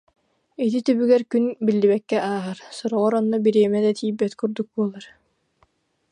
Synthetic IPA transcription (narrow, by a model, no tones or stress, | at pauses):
it̪̬it̪ybyɡɛɾkynbilːiβɛkːɛʔaːɦaɾsɔɾɔʁɔɾɔnːɔbiɾiɛmɛd̪at̪iːbːɛt̪kuɾd̪uk̚buɔlˠaɾ